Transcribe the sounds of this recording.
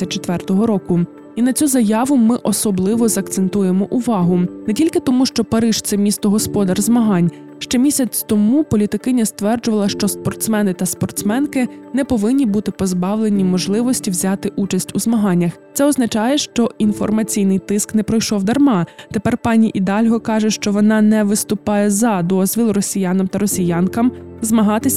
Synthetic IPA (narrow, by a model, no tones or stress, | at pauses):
sʲɐt͡ʃet̪ʋɛrt̪ɔɦɔɾɔkʊ | inɐt͡sʲuzɐjɑʋʊmɪʔɔsɔblˠɪʋɔzɐk̚t̪sent̪ujemɔʔʊʋɑɦʊnɛtʲilʲkɪt̪ɔmuʃt͡ʃɔpɐɾɪʒ̥t̪sɛmʲist̪ɔɦɔspɔd̪ɐrzmɐɦɑnʲ | ʃt͡ʃɛmʲisʲɐt͡sʲt̪ɔmupɔlʲit̪ɪkɪnʲɐst̪ʋɛrd͡ʒʊʋɐlˠɐʃt͡ʃɔspɔrt̪smɛnɪt̪ɐspɔrt̪smɛnkɪnɛpɔʋɪnʲːibut̪ɪpɔzbɑwlˠenʲimɔʒlˠɪʋɔsʲtʲiwzʲɑt̪ɪʔut͡ʃɐsʲtʲuzmɐɦɑnʲːɐxt̪sɛɔznɐt͡ʃɑjɛʃt͡ʃɔʔinfɔ̰rmɐt͡sʲijnɪjt̪ɪsknɛpɾɔjʃɔwd̪ɐrmɑt̪epɛrpɑnʲiʔid̪ɑlʲɦɔkɑʒɛʃt͡ʃɔʋɔnɑnɛʋɪst̪ʊpɑjɛzɐd̪ɔzʲʋʲilˠrɔsʲijanɐmt̪ɐɾɔsʲijɑnkɐmzmɐɦɑt̪ɪsʲ